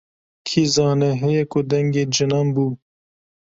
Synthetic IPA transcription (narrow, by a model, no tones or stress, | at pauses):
kʰizɑːneɦejekod̪ɐŋɡed͡ʒɐnambu